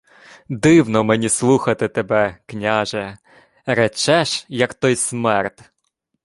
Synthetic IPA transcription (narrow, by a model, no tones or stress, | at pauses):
d̪ɪwnɔmenʲislˠuxɐt̪ɪt̪ebɛknʲaʒɛ | ɾɛt͡ʃɛʃjɐkt̪ɔjsmɛrt̪ʲ